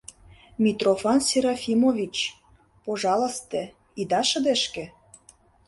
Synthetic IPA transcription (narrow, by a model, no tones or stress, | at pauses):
mʲit̪rofɑnsʲeɾɑfʲimovʲit͡ɕ | poʒɑlə̆st̪ĕ | id̪ɑʃə̆d̪ĕʃkĕ